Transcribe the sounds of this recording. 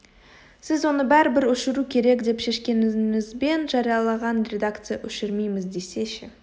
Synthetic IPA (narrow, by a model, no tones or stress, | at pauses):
sɪzwo̞nəbæɾɪbɪɾɵʃɪɾukʲʰe̞ɾe̞kd̪e̞pʃe̞ʃkʲe̞nɪmɪzbe̞nʒɑɾijɑlˠɑʁɑnɾʲe̞d̪akt̪sɨjaʔɵʃɪɾmejmɪzd̪e̞se̞ʃɪ